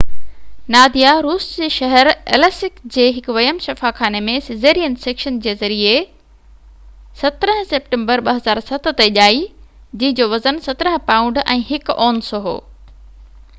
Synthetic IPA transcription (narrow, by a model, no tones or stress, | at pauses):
naːd̪ijaɾuːsd͡ʑeːʃɐɦəɾɛ̰lɛːsɪkd͡ʑeːɦɪkʊʋɐjəmʃɐfaxaːnemẽsɪzeːɾijənseːkʃənd͡ʑeːzɐɾie | sɐt̪ɾəɦə̃seːp̚ʈẽːmbəɾɓɐɦɐzaːɾsɐt̪̆ʰt̪eʄaːid͡ʑĩɦɪ̃d͡ʑoʋɐzənsɐt̪ɾəɦpãːʊ̃ɳɖɛ̃ːɦɪkɔːnsoɦo̰ː